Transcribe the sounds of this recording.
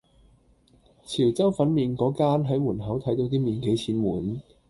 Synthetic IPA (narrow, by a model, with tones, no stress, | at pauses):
t͡sʰiː˨˩wt͡sɐ˥wfɐ˨˥nmiː˨nkɔː˨˥kaː˥nɦɐ˨˥jmuː˨˩nɦɐ˨˥wt̪ʰɐ˨˥jt̪o˨˥wt̪iː˥miː˨nke˨˥jt͡sʰiː˨˥nmuː˨˩n